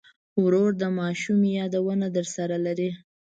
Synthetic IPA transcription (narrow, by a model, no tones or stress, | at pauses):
wɾoɾd̪əmɑʃumjɑd̪awənad̪əɾsaɾalaɾi